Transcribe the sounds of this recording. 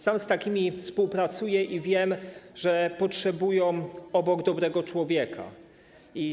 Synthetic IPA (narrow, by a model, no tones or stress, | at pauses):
samst̪akʲimʲifspuwpɾat̪sujɛʔivʲjɛmʐɛpɔtʂɛbujɔ̃w̃ɔbɔɡd̪ɔbɾɛɡɔt͡ʂwɔvʲjɛkʰa̰ | i